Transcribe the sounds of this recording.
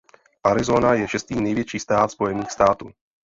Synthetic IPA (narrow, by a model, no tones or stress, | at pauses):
ʔaɾizoːnajɛʃɛst̪iːnɛjvjɛt͡ʃiːst̪aːt̪spɔjɛniːxst̪aːt̪uː